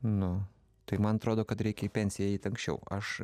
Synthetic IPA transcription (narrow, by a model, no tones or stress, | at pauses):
nʊ | t̪ɐɪmɐnɐt̪ɾoːd̪oːkɐt̪ɾʲɛɪkʲɛipʲɛnʲsʲɪjɛɛɪːt̪ɐ̃ŋksʲt͡ʃʲɛ̰ʊɐʃ